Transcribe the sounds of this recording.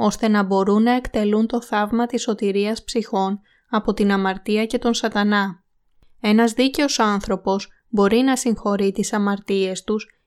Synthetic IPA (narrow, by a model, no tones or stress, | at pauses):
o̞st̪e̞nɐbo̞ɾunːɐe̞kt̪e̞lunt̪o̞θɐvmɐt̪iso̞t̪iɾiɐspsixo̞n | ɐpo̞t̪inɐmɐɾt̪iɐce̞t̪o̞nsɐt̪ɐnɐ | e̞nɐzðice̞o̞sɐnθɾo̞po̞s | bo̞ɾinɐsiŋxo̞ɾit̪isɐmɐɾt̪ie̞st̪us